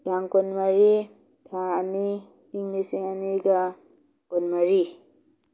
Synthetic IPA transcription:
daŋkɔnmaɾi | tʰaaniː | ŋlisiŋaniɡa | kɔnmaɾi

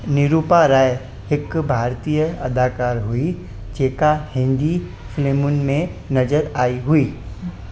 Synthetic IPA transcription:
nɪɾuːpaɾaːj | hɪkbʱaːɾt̪ijəɐd̪ʱaːkaːɾɦʊi | d͡ʒeːkahɪ̃nd̪i | fleːmʊnmẽnɐzəɾaːiɦʊiː

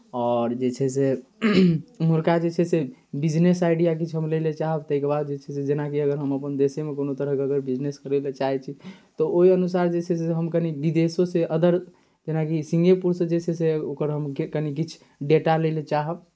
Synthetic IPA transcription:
ɔːɾd͡ʒet͡ʃʰɛse | muɾkad͡ʒet͡ʃʰɛsebid͡ʒnesaɪɖijak̬it͡ʃʰɦəmlelet͡ʃaɦəb̚t̪əɦikebad̪d͡ʒet͡ʃʰɛsed͡ʒenakiəɡəɾɦəməpənd̪esemekonot̪əɾəɦkeəɡəɾbid͡ʒneskəɾelet͡ʃaɦɛt͡ʃʰit̪ɔoɦiənusaɾd͡ʒet͡ʃʰɛseɦəmkənibid̪esoseʔəd̪əɾ | d͡ʒenakisĩŋɡepuɾsed͡ʒet͡ʃʰɛseokəɾɦəmkənikit͡ʃʰ | ɖeʈalelet͡ʃaɦəb̚

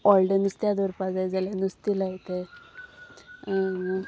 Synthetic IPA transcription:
ɔlɖənist̪jad̪əɾpad͡zajd͡zalenust̪ilaɦt̪e

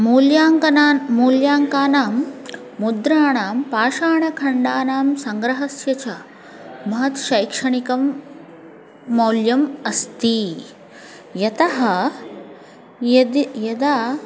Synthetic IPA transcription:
muːljaːŋɐnamuːljaːŋkaːnaːmː | ud̪ɾaːɳaːmpaːʃaːɳɐkʰɐɳɖaːnaːmsɐŋɡɾɐɦɐsjɐt͡ʃɐ | mɐɦɐt̪ʃɐjkʂɐɳikɐm | oːljɐmɐst̪i | jɐt̪ɐɦɐ | jd̪jɐd̪aː

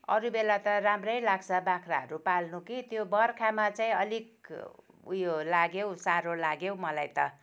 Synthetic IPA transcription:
ʌɾubelat̪ʌramrʌjlaɡt͡sʰʌbakʰraɦʌ̰ɾupalnukit̪jobʌrkʰamat͡saĩʌlik | ujolaɡjewsaɾolaɡjewmʌlajt̪ʌ

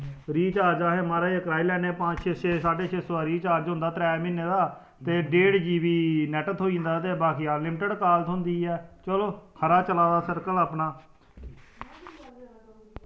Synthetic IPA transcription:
ɾiːt͡ʃaːd͡ʒaːɦeːmaːɾaːiːəkɾaːiːlɛːneːpãːt͡ʃʰeːʃʰeːsaːʈeːʃʰeːsoaːɾiːt͡ʃaːd͡ʒɦʊ̃nd̪aːt̪ɾɛːmɪ̃nːeːd̪aː | t̪eːɖeːɽd͡ʒiːʋiːnɛːʈət̪ʰoːind̪aːt̪eːbaːkijaːlɪmʈəɖkaːlət̪ɦʊ̃nd̪iːɛːt͡ʃəloːkʰəɾaːt͡ʃəlaːd̪aːsəɾkələːpɳaː

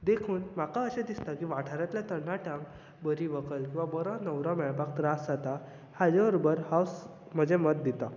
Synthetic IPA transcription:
d̪ekʰuːnmakaəɕed̪ist̪akiːʋaʈʰaɾjat̪ljat̪ənaʈãŋ | bəɾiʋəkəlkĩw̃ʋabəɾãnəwɾãmɛɭpak̚t̪ɾasd͡zat̪a | had͡ʑʋəɾobəɾhaws | m̤əd͡ʑemət̪̚d̪it̪a

